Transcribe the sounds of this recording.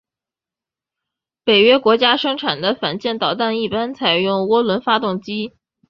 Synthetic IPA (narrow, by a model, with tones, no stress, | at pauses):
pe˨˩ɪɥɛ˥kwɔ˧˥t͡ɕja˥ʂɤ˥ŋʈ͡ʂʰa˨˩nd̪ə˦fa˨˩nt͡ɕjɛ˥˩nt̪ɑ˨˩ʊt̪a˥˧ni˥˩pa˥nt͡sʰa˨˩ɪjʊ˥˩ŋwɔ˥lwə˧˥nfa˥t̪ʊ˥˩ŋt͡ɕi˥